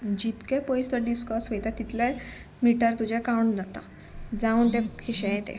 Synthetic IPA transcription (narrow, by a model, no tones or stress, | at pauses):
d͡ʑit̪kepɔjst̪əɖiskɔɾsʋejt̪at̪it̪la | miʈəɾt̪ud͡ʑekawɳnət̪a̰ | d͡zaunt̪ekʰiɕeẽt̪ḛ